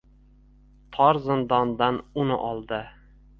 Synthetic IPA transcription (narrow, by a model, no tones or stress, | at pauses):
t̪ʰɒɾzɪnd̪ɒnd̪anʊnɪ̰ʔɒlˠd̪ɪ